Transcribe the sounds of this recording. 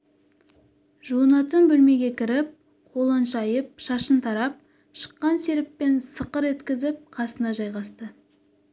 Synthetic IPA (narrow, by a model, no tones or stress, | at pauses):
ʒuənɑt̪ənbɵlme̞ɡʲe̞kʲʰɪɾɪp̚ | qʰo̞lˠənʃɑjəp̚ʃɑʃənt̪ʰɑɾɑp̚ | ʃə̥qːɑnse̞ɾɪpːe̞nsəqəɾe̞t̪kʲɪzɪp̚qʰɑsənɑʒɑjʁɑst̪ə